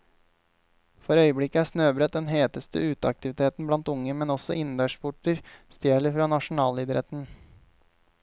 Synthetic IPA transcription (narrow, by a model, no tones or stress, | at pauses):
fɔɾœʏəbɽɪkəæːsnøːbɾœt̪̚d̪ɛnɦeːt̪əst̪ə̰ʉːt̪əɑk̚t̪ɪʋɪt̪ʰeːt̪n̩blɑnt̪ʊŋːəmɛnɔsɔ̰ʔɪnd̪øːʂpʰʊʈəɾst̪jeːɭəfɾɑːnɑʂʊn̩ɑːliːd̪əɾḛːt̪n̩